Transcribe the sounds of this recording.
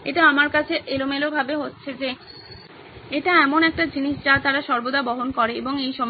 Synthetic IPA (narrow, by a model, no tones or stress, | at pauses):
ḛʈaamaɾkat͡ɕʰeʔelomelobʱabeɦotːɕʰed͡ʑe | eʈaɛmonɛk̚ʈad͡ʑiniʃʈat̪aɾaʃɔɾbod̪abɔɦonkɔɾeḛboŋejʃɔm